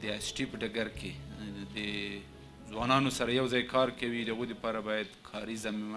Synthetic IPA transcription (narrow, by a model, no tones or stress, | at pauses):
d̪əasʈipəɖaɡaɾked̪ə | zwɑnɑnosaɾajawzɑjkɑɾkawid̪əaɣojd̪əpɑɾabɑjad̪kʰɑɾizamima